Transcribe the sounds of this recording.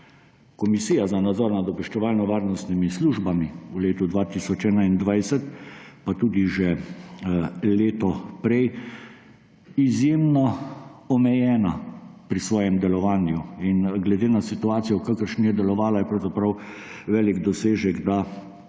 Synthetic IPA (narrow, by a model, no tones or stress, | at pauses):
kɔmisiːjazanad̪zɔːɾnad̪ɔbɛʃt͡ʃɛʋaːlnɔʋaːɾnɔst̪nimisluːʒbamiuleːt̪ud̪ʋat̪isɔt͡ʃɛːnaind̪ʋajsɛt̪pat̪uːd̪iʒɛ | leːt̪ɔpɾɛj | izjeːmnɔɔmɛjɛːnapɾisʋɔːjɛmd̪ɛlɔʋaːnjuinɡlɛd̪eːnasit̪uaːt̪sijɔkakəɾʃnijɛd̪ɛlɔʋaːlajɛpɾawzapɾawʋɛːliɡd̪ɔseːʒɛɡd̪a